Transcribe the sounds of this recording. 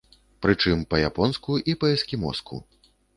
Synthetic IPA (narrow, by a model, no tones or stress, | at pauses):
pɾɨt͡ʂɨmpɐjapɔnskuʔipɐɛskʲimɔ̰skṵ